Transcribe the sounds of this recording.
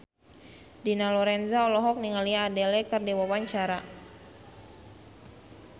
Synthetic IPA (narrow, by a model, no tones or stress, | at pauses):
dinalɔɾɛnzaɔlɔɦɔk̚niŋaliaːdɛlɛkərdiwawaɲt͡ʃaɾa